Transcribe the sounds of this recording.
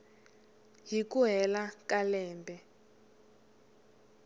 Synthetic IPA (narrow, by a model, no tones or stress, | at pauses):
ɦikuɦɛlakalɛːmbʱɛ